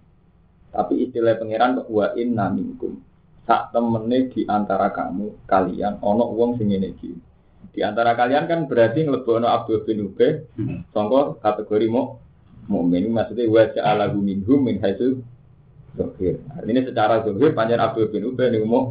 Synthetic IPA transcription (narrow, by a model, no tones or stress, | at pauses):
t̪apiist̪ilaipəŋeɾankɔʔuwaʔɪnːamiŋkʊ̰m | sa̰ʔt̪əmənːed̪̥i̤ʔant̪aɾaka̰mukalḭa̰nɔnɔʔwɔŋsiŋenekḭ | d̪̥i̤ʔant̪aɾakaliankanb̥əɾat̪iŋələb̥ɔ̤ɔnɔʔab̚d̪̥ob̥ɪ̤nub̥ɛhsɔŋkɔkat̪əɡ̥o̤ɾimɔʔ | moʔmenimasut̪euwḁd͡ʒaʔalaɡumiŋɡʊmːɪnɦaisu | z̥ohɪrart̪inisət͡ʃaɾazoɦɪrpaɲt͡ʃɛnab̚d̪̥ob̥ɪnub̥ɛhnikmɔʔ